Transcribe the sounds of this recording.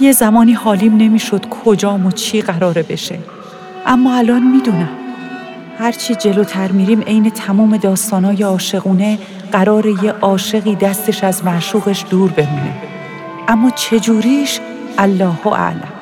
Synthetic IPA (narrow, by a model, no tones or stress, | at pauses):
jezæmɒːniːhɒːliːmne̞miːʃod̪̥kʰod͡ʒɒːmot͡ʃʰiːɢæɾɒːɾebe̞ʃḛ | ʔæmːɒːælɒːnmiːd̪uːnæm | hæɾt͡ʃʰid͡ʒe̞loːt̪ʰæɾmiːɾiːme̞jne̞t̪ʰæmuːme̞d̪ɒːst̪ɒːnɒːjeɒːʃe̞ɣuːne̞ | ɢ̥æɾɒːɾe̞jeʔɒːʃe̞ɣiːd̪æst̪e̞ʃæzmæʃuːɣe̞ʃd̪̥uːɾbe̞muːnḭm | ʔæmːɒːt͡ʃʰe̞d͡ʒuːɾiːʃ | ʔælːɒːhoʔæ̰ʔlæm